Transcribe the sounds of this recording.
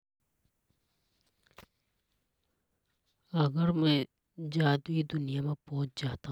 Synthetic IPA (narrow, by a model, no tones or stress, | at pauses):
əɡəɾmɛ̃ː | d͡ʒaːd̪wid̪ʊnijamẽpɔːt͡ʃd͡ʒaːt̪aɦ